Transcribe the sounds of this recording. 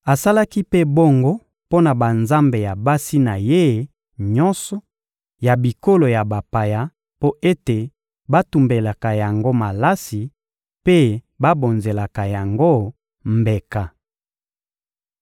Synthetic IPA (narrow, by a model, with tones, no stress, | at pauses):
a˨sa˦la˦ki˦pe˦bo˦ŋɡo˦ | po˦na˨ba˨nza˦mbe˨ja˨ba˦si˦na˨je˦ | ɲɔ˦nsɔ˨ | ja˨bi˨ko˦lo˨ja˨ba˨pa˨ja˦ | po˦ʔe˦te˨ | ba˦tu˨mbe˨la˨ka˨ja˨ŋɡo˦ma˨la˦si˨ | pe˦ | ba˦bo˨nze˨la˨ka˨ja˨ŋɡo˦ | mbe˨ka˨